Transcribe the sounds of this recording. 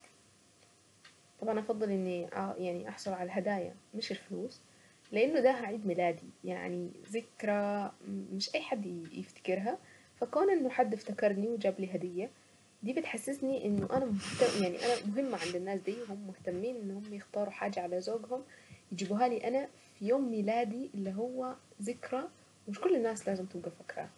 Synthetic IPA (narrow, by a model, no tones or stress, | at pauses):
t̪ˤɑbʕɑnʔɑfɑd̪ˤːɨlʔɪnːiʔjaʕniʔɑħsˤʊlʕalalɦad̪aːja̰mɪʃɪlħʊluːs | lɪʔanːʊd̪aɦaʕiːd̪mɪlaːd̪ija̰ʕnizɪkɾˤamɪʃʔajːħad̪ːjɪ̰ft̪ḁkɪɾɦa | fakoːnʔɪnːʊħad̪ːɪft̪akɑɾˤniwd͡ʒaːbliɦad̪ɪjːa | d̪iːbɪt̪ħasːɪsniʔɪnːʊʔanamʊht̪ajaʕnḭʔa̰namʊɦɪmːʕand̪ɪnːaːsd̪iːwhʊmːʊht̪amːiːnʔɪnːhʊmːajɪxt̪ɑːɾˤuħaːd͡ʒaʕalazoːɡhʊmjɪd͡ʒiːbuɦaːliːʔana | fijoːmːilaːd̪iʔɪlːiɦʊwːæ | zɪkɾˤɑ | mɪʃkʊlːɪnːaːslaːzɪmt̪ɪbɡafakɾa̰